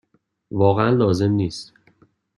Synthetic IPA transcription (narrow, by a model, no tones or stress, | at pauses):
vɒːɣeænlɒːze̞mniːst̪